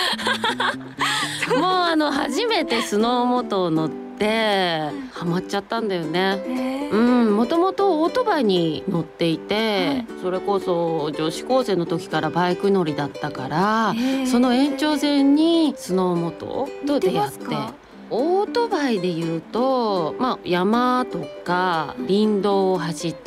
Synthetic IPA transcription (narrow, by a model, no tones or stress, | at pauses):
moːano̞haʑime̞t̪e̞sɨno̞ːmo̞t̪o̞ːno̞t̪ːe̞ | hamatt͡ɕːat̪ːãnd̪ajo̞ne̞ɯ̟̃ɴmo̞t̪o̞mo̞t̪o̞oːt̪o̞baiɲ̟ino̞t̪ːe̞it̪e̞so̞ɾe̞ko̞so̞d͡ʑo̞ːɕi̥ko̞ːse̞ːno̞t̪o̞kʲi̥kaɾabaikɯ̟no̞ɾʲid̪at̪ːakaɾaso̞no̞ẽ̞ɲt͡ɕo̞ːzẽ̞ɲ̟ːisono̞mo̞t̪o̞̰t̪od̪ejat̪ːe | oːt̪o̞baid̪e̞jɯ̟ːt̪o̞majamat̪o̞kaɾʲĩnd̪o̞ːɦaɕit̪ː